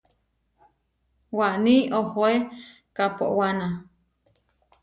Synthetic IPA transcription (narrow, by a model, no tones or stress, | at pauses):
waʔniohoe | kapo̰ʔwana